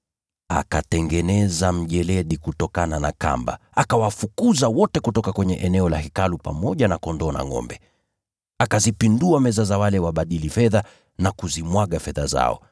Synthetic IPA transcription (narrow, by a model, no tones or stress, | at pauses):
a̰katɛŋɡɛnɛzam̩ʄɛlɛɗikutɔkananaka̰mba̰ | akawafukuzawɔtɛkutɔkakwɛɲɛʔɛnɛɔlahikalupa̰mɔʄanakɔndɔna̰ŋɔ̰mbɛ | akazipinduamɛzazawalɛwaɓaɗilifɛða | nakuzimwaɠafɛða̰za̰ɔ̰